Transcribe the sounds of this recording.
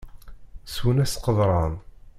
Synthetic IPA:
swənæsqəðˤɾˤɑn

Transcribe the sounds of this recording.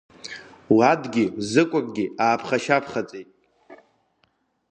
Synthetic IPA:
wadɡʲizɨkʷʼakʼɡʲiaːpʰχaʃapʰχat͡sʼejtʼ

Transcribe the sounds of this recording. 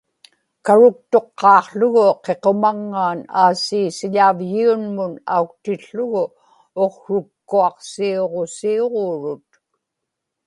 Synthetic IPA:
kaɻʊk̚t̪o̞qːɑːqɬʊɣʊqe̞qo̞maŋːaːnaːsiːsɪʎavjiunmʊna̰uk̚t̪ɪɬːʊɣʊ | oqɻʊkːuɑqsioʁo̞sioʁoːɻʊt̪̚

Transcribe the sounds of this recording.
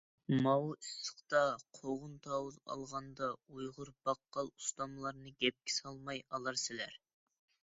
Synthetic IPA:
mɑwisə̥qt̪ɑqʰoʁʊnt̪ʰɑwuzɑ̰lˠʁɑnd̪ɑujʁʊɾb̥ɑqːɑlˠu̥st̪ɑmlˠɑɾnɨɡʲɛp̚kʲɪ̥sɑlˠmɑjɑlˠɑɾsɪlæɾ

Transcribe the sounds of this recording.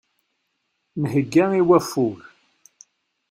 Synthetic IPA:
nɦəɡːæiwæfuɾ

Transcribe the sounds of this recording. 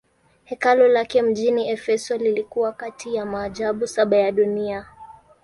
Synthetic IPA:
hɛkalɔlakɛm̩ʄiniɛfɛsɔlilikuwakatʰijamaːʄaɓusaɓajaɗunia

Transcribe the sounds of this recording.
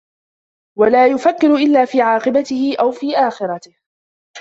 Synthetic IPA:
walaːjʊfakːɪɾʊʔɪlːaːfiːʕɑːqɨbat̪ɪhɪʔawfiːʔaːxɪɾˤɑt̪ɪh

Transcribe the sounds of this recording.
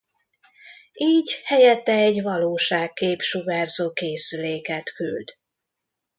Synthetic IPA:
iːɟhɛjɛt̪ːɛɛɟvɒloːʃaːkːeːpʃuɡaːrzoːkeːsyleːkɛt̪ky̰ld̪

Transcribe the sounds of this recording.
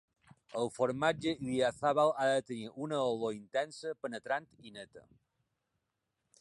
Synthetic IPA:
əlˠfoɾmad͡ʒəiðiaθaβalaðət̪əniɾʔunəoloint̪ɛnsəpənət̪ɾant̪inət̪ə̰

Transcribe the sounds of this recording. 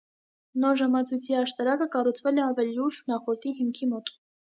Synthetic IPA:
nɔɾʒɑmɑt͡sʰujt͡sʰiɑʃt̪ɑɾɑkəkɑrut͡sʰvɛlɛɑvɛliuʒnɑχɔɾt̪iɦimkʰimɔt̪

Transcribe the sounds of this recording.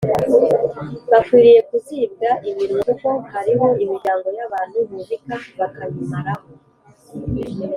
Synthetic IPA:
βakwiːɾije̞kuziːb̚ɡaʔiβiɾuduko̞haɾiɦo̞imiɾɟaːŋɡo̞jaβaːn̥huβuvikaβakaβimaɾaho

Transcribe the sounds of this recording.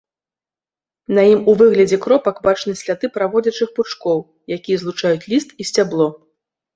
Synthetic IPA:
nɐjimuvɨɣlʲɐd͡zʲɛkɾɔpɐkbat͡ʂnɨsʲlʲat̪ɨpɾavɔd͡zʲɐt͡ʂɨxput͡ʂkɔw | jakʲijɐzlˠut͡ʂajut͡sʲlʲist̪isʲt͡sʲablˠɔ

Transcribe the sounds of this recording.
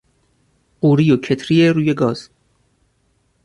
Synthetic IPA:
ɢuːɾijocʰet̪ʰɾijeɾuːje̞ɡɒːz̥

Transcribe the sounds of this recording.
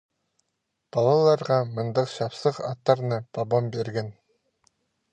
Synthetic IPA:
b̥ɑlˠɑlˠɑɾʁɑmɯnd̪ɑqʃɑpsɯqɑt̪ːɑɾnɯpɑbombeɾɡen

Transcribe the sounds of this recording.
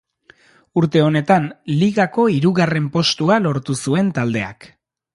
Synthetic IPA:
uɾt̪e̞o̞ne̞t̪anliɣako̞iɾuɣare̞mpo̞st̪ualo̞ɾt̪usue̞nt̪ald̪e̞a̰k

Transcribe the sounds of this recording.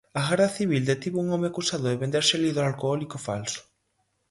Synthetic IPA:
aɣaɾðaθiβ̞ild̪et̪iβouŋɔmeakusaðʊðeβend̪eɾseliðɾalkoɔlikofa̰lsʊ̥

